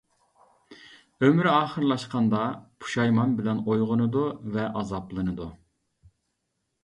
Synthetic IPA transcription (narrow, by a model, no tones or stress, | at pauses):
ømɾɑːχəɾlˠɑʃqɑnd̪ɑpʰu̥ʃɑjmɑnbɪlɛnojʁʊnɨd̪uvɛʔɑzɑplˠɨnɨd̪u